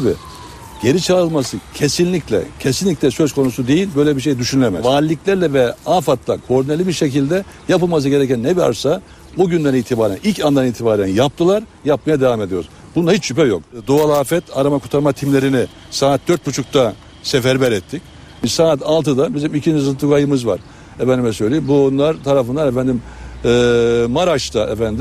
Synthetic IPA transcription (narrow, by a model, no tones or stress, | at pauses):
bi | ɟe̞ɾit͡ʃʰaːɾɯlˠmasɯcʰesinlʲiclʲɛ̰cʰesinlʲicʲlʲɛsø̞zkʰo̞nusud̪e̞jilʲbø̞jlʲɛbiɾʃ̬e̞jd̪yʃynylʲemɛ̰aːɾlʲlʲːiclʲæɾlʲɛvɛaːfat̪lˠakʰo̞ɾd̪inelʲibiɾʃecilʲd̪ɛ | japɯlˠmas̬ɯɟe̞ɾɛcænːɛbia̰ɾsa | buɟynd̪æniːt̪ʰibaːɾæ̰nilʲcʰand̪aniːt̪ʰibaːɾænjap̚t̪ʰɯlˠaɾjap̚majad̪evame̞d̪ijo̞ɾuz | bunahit͡ʃʃypɛjo̞̰kd̪oalˠaːfɛt̪ʰaɾamakʰut̪ʰaɾmat̪ʰimlʲe̞ɾinɪ | saːt̪̚d̪øɾt̪̚but͡ʃʰuk̚t̪ʰa | sefæɾbæɾɛt̪ʰːic | bisaːt̪ʰalˠt̪ʰɯd̪abizimicʰind͡ʒizɯnt̪ʰukajɯmɯzva̰ɾ | ɛfænd̪imɛsølʲeimbunlˠaɾt̪ʰaɾafɯnd̪aɾɛfænd̪imː | maɾaʃt̪ʰaʔɛfænd̪